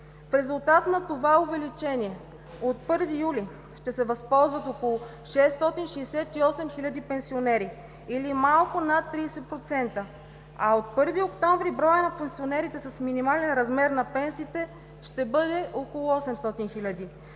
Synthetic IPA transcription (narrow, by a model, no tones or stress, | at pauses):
fɾɛzulˠt̪at̪nɐt̪ovaovɛlit͡ʃɛniɛ | ot̪̚pɤɾvijuli | ʃt̪ɛsɛvɐspɔlˠzvət̪okolˠʊ | ʃɛst̪ɔt̪inʃɛsɛt̪iɔsɛmxilʲɐd̪ipɛnsionɛɾi | ilimalˠkonat̪ːɾiːsɛt̪pɾot̪sɛnt̪ə | aot̪̚pɤɾviokt̪ɔɱvɾibɾɔjənɐpɛnsionɛɾit̪ɛsɐsminimalɛnɾɐzmɛɾnɐpɛnsiːt̪ɛ | ʃt̪ɛbɤd̪ɛʔokolˠʊɔsɛmst̪ɔt̪inxilʲɐd̪i